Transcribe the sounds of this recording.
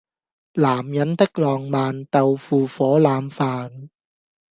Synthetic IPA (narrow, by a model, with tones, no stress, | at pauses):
laː˨˩mjɐ˨˥nt̪ɪ˥k̚lɔː˨ŋmaː˨nt̪ɐ˨wfuː˨fɔː˨˥laː˨˧mfaː˨n